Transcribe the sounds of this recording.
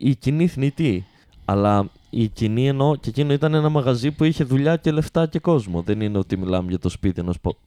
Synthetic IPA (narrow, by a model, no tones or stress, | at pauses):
iciniθnit̪i | ɐlɐ | icinie̞no̞cecinoit̪ɐne̞nɐmɐɣɐzipuiçe̞ðuʎɐce̞le̞ft̪ɐce̞ko̞zmo̞ðe̞nine̞o̞t̪imilɐmeʝɐt̪o̞spit̪ienospo